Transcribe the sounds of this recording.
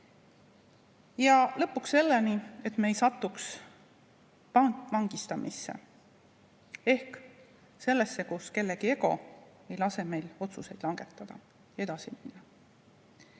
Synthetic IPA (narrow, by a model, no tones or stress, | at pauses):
jɑlɤ̞pːˑukse̞lːenie̞t̪me̞jsɑt̪ːˑuks | vɑŋɡ̥ist̪ɑmʔisːḛ | e̞hk | se̞lːe̞sːe̞kuske̞lːeɡie̞ɡo̞̰ | e̞jlɑseme̞jlo̞t̪suse̞jd̪̥lɑŋɡ̥e̞t̪ːˑɑd̪̥ɑ | e̞d̪̥ɑsiminːɑ